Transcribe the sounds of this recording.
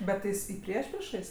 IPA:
ˈbʲɛt tɐɪ ˈjɪs ɪ ˈpʲrʲiɛʃʲpʲrʲiɛʃɐɪs

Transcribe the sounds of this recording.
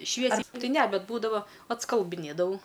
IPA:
ˈʃʲʋʲiɛsʲɛɪ ˈtɐɪ ˈnʲɛ ˈbʲɛt ˈbuːdɐʋɐ ɐtskɐlˠbɨˈnʲeːdɐʋɐʊ

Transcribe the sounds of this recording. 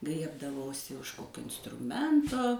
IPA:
ˈɡrʲiɛbdɐʋɐʊsʲɪ ʊʃ ˈkoːkʲoː ɪnstrʊˈmʲɛntoː

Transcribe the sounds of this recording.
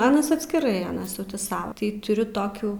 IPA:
ˈɑːnɐs ɐtʲsʲkʲɪˈrɐɪ ˈɑːnɐs jɛʊ tʲɪ ˈsɐʊ tɐɪ tʊˈrʲʊ ˈtoːkʲuː

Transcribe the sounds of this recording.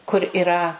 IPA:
kʊr ɪˈrɐ

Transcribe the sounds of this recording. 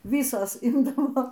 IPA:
ˈʋʲiːsoːs ˈɪmdɐʋoː

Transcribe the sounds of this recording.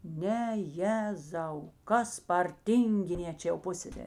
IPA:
ˈnʲɛ ˈjæːzɐʊ ˈkɐs pɐr ˈtʲiːŋʲɡʲɪˌnʲeː ˈt͡ʃʲɛ jɛʊ ˈpʊsʲsʲɛsʲɛrʲeː

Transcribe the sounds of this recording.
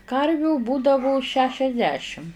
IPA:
ˈkɐrʲʋʲuː ˈbuːdɐʋʊ ʃʲɛʃʲɛzʲˈdʲæːʃʲɪm

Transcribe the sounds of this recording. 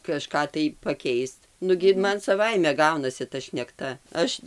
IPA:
kɐˈʃkɑː tɐɪ pɐˈkʲɛɪst ˈnʊɡʲɪ ɪr ˈmɐn sɐˈʋɐɪmʲɛ ˈɡɐʊnɐsʲɪ tɐ ʃʲnʲɛkˈtɐ ˈɐʃ

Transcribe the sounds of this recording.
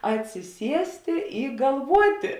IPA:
ɐtʲsʲɪˈsʲiɛsʲtʲeː ɪ ɡɐlˠˈʋuɔtʲeː

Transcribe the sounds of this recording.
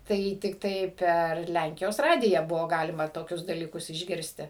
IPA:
ˈtɐɪ tʲɪkˈtɐɪ pʲɛr ˈlʲæŋʲkʲɪjoːs ˈrɑːdʲɪjæː ˈbʊʋoː ˈɡɑːlʲɪmɐ toːˈkʲʊs dɐlʲiːˈkʊs ɪʒʲˈɡʲɪrʲsʲtʲɪ

